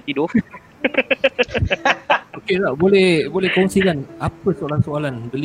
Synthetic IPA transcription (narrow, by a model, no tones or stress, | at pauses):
t̪ido | okelabolɛhbolɛhkoŋsikanapəsoalansoalanbəli